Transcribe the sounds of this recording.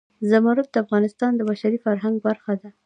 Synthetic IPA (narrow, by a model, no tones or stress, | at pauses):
zamaɾut̪̚d̪əafɣɑnɪst̪ɑnd̪əbaʃaɾifaɾɦaŋɡ̚baɾxad̪a